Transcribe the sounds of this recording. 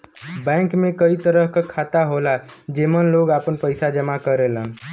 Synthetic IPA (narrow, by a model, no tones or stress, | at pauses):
bɛ̃kmẽkəit̪əɾəɦkakʰaːt̪aɦolad͡ʒeːmənloːɡaːpənpəɪsad͡ʒəmakəɾelən